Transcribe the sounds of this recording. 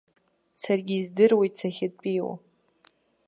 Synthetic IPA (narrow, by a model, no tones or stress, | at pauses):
sarɡʲizdɨrwit͡sʰaxʲɪd̚ʼpʼiːwa̰